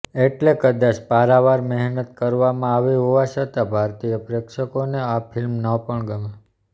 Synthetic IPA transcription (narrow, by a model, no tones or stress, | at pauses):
eʈlekəd̪at͡ʃpaɾaʋaɾmɛɦnət̪kəɾʋamãaʋiɦoʋat͡ʃət̪abʱaɾt̪ijəpɾekʃəkoneapʰɪlmnəpəɳɡəma